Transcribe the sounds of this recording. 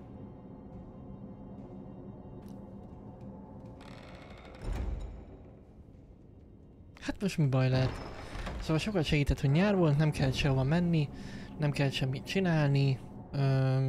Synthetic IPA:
hat̪mo̞ʃt̪mibɒjlɛɛt̪soːvɒlʃo̞kɒlʃɛɡiːt̪ɛt̪ho̞ɟɲaːrvolt̪nɛmkʰɛlʃɛbɒmɛnːinɛmkɛlʃɛmːit̪t͡ʃinaːlni | øː

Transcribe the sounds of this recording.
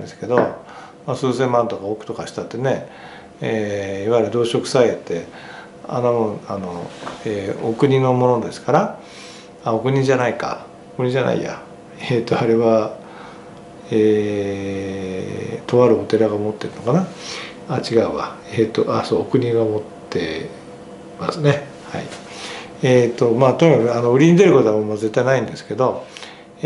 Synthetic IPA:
d̪esɨ̥ke̞d̪o | masɨːsẽ̞mːãnt̪o̞kaokɯ̟̥t̪o̞kaɕi̥t̪at̪ːe̞ne̞ | eiβaiɾɯ̟d̪o̞ːɕo̞kɯ̟̥saiet̪ːe̞ | a̰nomõano̞eokɯ̟ɲ̟ino̞mo̞no̞d̪e̞sɨ̥kaɾa | ao̞kɯ̟ɲ̟id͡ʑanaika̰ | okɯ̟ɲ̟iʑana̰ḭja̰ | et̪ːoaɾe̞βa | eː | t̪o̞βaɾɯ̟o̞t̪e̞ɾaɡamot̪ːe̞ɾɯno̞kana | at͡ɕiɡaɯ̟βa | et̪ːoʔaso̞ːokɯ̟ɲ̟iɡamo̞t̪ːe̞ | masɨne̞ | ha̰i | et̪ːo̞maːt̪oɲ̟ikakɯ̟ano̞ɯ̟ɾʲiɲ̟id̪e̞ɾɯ̟ko̞t̪oammaze̞t̪ːainaĩnd̪e̞sɨ̥ke̞d̪o̞

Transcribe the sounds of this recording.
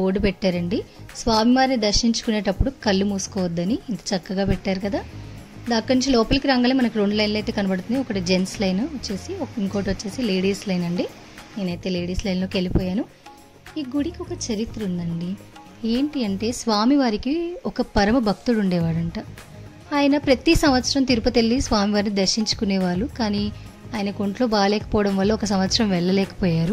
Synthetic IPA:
oːɽupɛʈːaːɾɐɳɖisʋaːmiʋaːɾinid̪ɐɾʃiɲt͡ʃu̥kune̞ːʈɐpːuɽukɐlːumuːsu̥kɔːʋɐd̪ːɐniint̪ɐ̥t͡ʃɐkːɐɡaːpɛʈːaːɾukɐd̪aː | d̪ɐkːɐninɲt͡ʃilɔːpɐlkiɾaːŋɡɐːlemɐnɐkiɾoːɳɖlɐjnlɐjt̪e̞ːkɐnɐbɐɽut̪und̪iɔkːɐʈid͡ʒe̞nslɐjnɐʋɐt͡ʃːe̞ːsiɔkiŋkoːʈʋɐt͡ʃːe̞ːsile̞ːɽiːslɐjnɐɳɖi | neːnɐjt̪e̞ːleːɽiːslɐjnloːkielipɔːjaːnu | iːɡuɽikiɔkɐt͡ʃɐɾit̪ɾɐund̪ɐɳɖi | eːɳʈiɐɳʈe̞ːsʋaːmiʋaːɾikiɔkɐpɐɾɐmɐbʱɐk̚t̪uluɳɖɛːʋaːɽɐɳʈa | aːjɐnɐpɾɐt̪isɐmʋɐt̪sɐɾɐmt̪iɾupɐt̪elːisʋaːmiʋaːɾnid̪ɐɾʃiɲt͡ʃu̥kunɛːʋaːɾukaːniː | aːjɐnɐko̞ɳʈlo̞ːbaːlɛːkɐpɔːʋɐɽɐmʋɐlːɐɔkɐsɐmʋɐt̪sɐɾɐmʋɛɭːɐlɛːkɐ̥pɔːjaːɾu

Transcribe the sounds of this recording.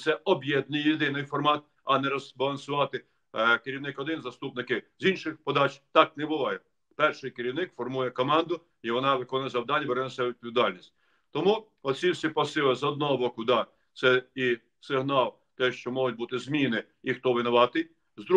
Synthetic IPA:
t̪sɛɔbjɛd̪̚nɪjjed̪ɪnɪjfɔrmɑt̪̚ | ɐnɛɾɔzbɐlˠɐnsʊʋɑt̪ɪ | keɾʲiwnɪkɔd̪ɪnzɐst̪upnɪkɪzinʃɪxpɔd̪ɑt͡ʃt̪ɑk̚nɛbʊʋˠɑjɛ | pɛrʃɪjkeɾʲiwnɪkfɔrmujɛkɔmɑnd̪ʊ | iʋɔnɑʋɪkɔnʊjɐzɐwd̪ɑnʲːɐbeɾɛnɔsʲɛwʋʲid̪̚pɔʋʲid̪ɑlʲnʲisʲtʲ | t̪ɔmu | ɔt͡sʲsʲiwsʲipɐsɪlˠɐzɔd̪nɔɦɔbɔkʊd̪ɑ | t̪sɛi | sɪɦnɑlˠ | t̪ɛʃt͡ʃɔmɔɦʊt̚ʲbut̪ɪzmʲinɪ | ixt̪ɔʋɪnɔʋɑt̪ɪ | zd̪ɾu

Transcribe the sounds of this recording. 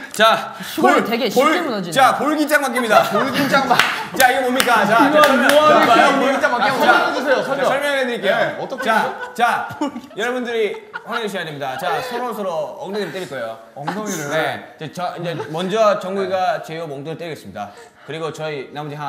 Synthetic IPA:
t͡ɕa | oeɡepoɭd͡ʑt͡ɕapoɭɡit͡ɕ͈aŋmak͈imɲidaɭɡit͡ɕat͡ɕaiɡʌmomɲik͈at͡ɕa | apoɭɡit͡ɕ͈aŋmak͈iasʰeosʰsʌɭmjʌŋɦedɯɾik͈ejokt͡ɕat͡ɕajʌɾʌbundɯɾihanaŋeɕʰijademɲidat͡ɕasʰʌɾosʰʌɾoʌŋneɡeɾɯɭt͈eɾiɭk͈oejo | ne̞t͡ɕet͡ɕʌind͡ʑe̞mʌnd͡ʑʌt͡ɕʌŋɡuiɡat͡ɕejomoŋtɯɾɯɭt͈eɾiɡes͈ɯmɲida̰ | kɯɾiɡot͡ɕʌinamod͡ʑiɦa

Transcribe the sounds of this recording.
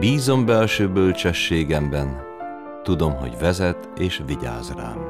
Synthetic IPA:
biːzo̞mbɛlʃøːbølt͡ʃɛʃːeːɡɛmbɛn | t̪ud̪o̞mɦo̰ɟvɛzɛt̪ | eːʃʋiɟa̰ːzra̰ː

